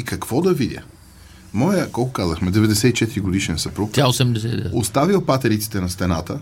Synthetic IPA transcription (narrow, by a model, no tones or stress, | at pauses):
ikɐkvɔd̪ɐvid̪ʲjə̰ | mɔjəkɔlˠkʊkazəxmɛd̪ɛvɛd̪ɛsɛit͡ʃɛt̪iɾiɡod̪iʃɛnsɐpɾukt̪ʲaosɛmd̪ɛsɛost̪avilˠpat̪ɛɾit̪si̥t̪ɛnɐst̪ɛna̰t̪ə